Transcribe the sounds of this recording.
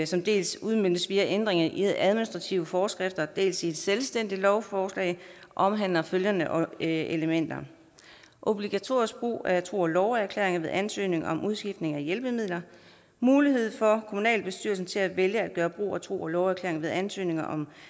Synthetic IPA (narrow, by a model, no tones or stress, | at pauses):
sɒ̽md̥e̝̰ːlsuð̞ˠmøn̰̥əsʋiːæʔend̥ʁeŋɐʔiðʔæðˠminisd̥ʁɑ̈t͡sʰiʊəfɒːsɡ̥ʁefd̥ɐd̥e̝̰ːlsied̥selsd̥en̰d̥ilɒʊfɒːslɛ̰ɪʔɒ̽mɦænlɐføljɐnəʔɒ̽eləmen̰d̥ɐ | ʔo̝b̥liɡ̥æt͡sʰo̝ɐ̰isɡ̥̚b̥ʁṵːæt͡sʰʁo̝̰ːɒlɒʊæɐkʰlḛːɐeŋɐʋe̝ð̰ˠʔænsø̰ːne̝ŋɐɒ̽mʔuð̞ˠsɡ̥ifd̥ne̝ŋæjelb̥əmið̞̰ˠlɐ | muːlihe̝ð̞̰ˠfɒ̽kʰomunɛ̰ːlb̥e̝sd̥y̰ɐ̰lsn̩t͡sʰe̝læʋeljəæd̥̚ɡ̥ɶːɐb̥ʁṵːæt͡sʰʁo̝̰ːɒlɒʊæɐkʰlḛːɐeŋɐʋeð̞ˠænsø̰ːne̝ŋɐʔɒ̽m